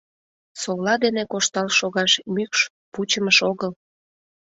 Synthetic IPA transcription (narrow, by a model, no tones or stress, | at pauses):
sowlɑd̪enekoʃt̪ɑlʃoɣɑʃmykʃ | put͡ɕəməʃoɣəl